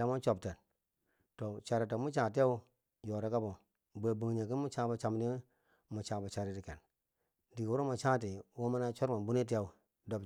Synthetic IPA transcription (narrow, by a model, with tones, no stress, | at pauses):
a˨mu˦t͡ʃo˨b̚te˨n | to˨t͡ʃa˨ɾe˨to˨mu˦t͡ʃã˨ti˦a˦u˦ | jo˨ɾe˦ka˦bo˨ | bə˨bu˨ŋɲe˨ki˦mu˦t͡ʃã˦bo˨t͡ʃa˨mni˦ | mu˨t͡ʃã˨bo˨t͡ʃa˨ɾi˦ti˨ke˨n | di˨kwu˦ɾo˦mu˨t͡ʃã˦ti˨wo˦ma˦na˦t͡ʃo˦ɾma˨nbu˦ni˦t̬i˦ja˦u˨ | do˨b